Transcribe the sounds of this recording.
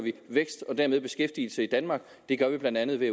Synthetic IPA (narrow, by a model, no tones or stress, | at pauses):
ʋiʋeɡ̥sd̥ɒ̽d̥æɐmeð̞ˠb̥e̝sɡ̥efd̥il̩səid̥ænmɑ̈ːɡ̥ | d̥e̝ɡ̥ɶɐʋib̥lænd̥ænð̞ˠʋe